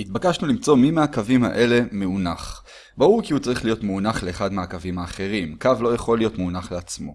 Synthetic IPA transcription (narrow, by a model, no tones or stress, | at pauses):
hit̪bakaʃnulimt͡so̞mimeakavima̰ʔe̞le̞meunaχ | bauʁkiut͡saʁiχlijo̞t̪meunaχle̞ːχad̪meakavimaːχe̞ʁimkavlo̞jeχo̞lijo̞t̪meunaχleat͡smo̞̰